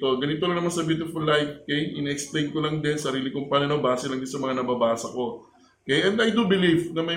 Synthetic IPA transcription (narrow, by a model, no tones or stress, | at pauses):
t̪o̞ɡɐnɪt̪olɐŋnɐmasɐbjuːt̪ɪfɐlːajk̪̚ːkejʔɪnɛʔɛksplẽjnkolɐŋd̪ɪnsɐɾiːlɪkʊmpalɐnobaːsɛlɐŋd̪ɪnsɐmɐŋanɐbɐbaːsɐko̞ | kejʔɛnd̪ɐjd̪ubɪlivnɐmɐj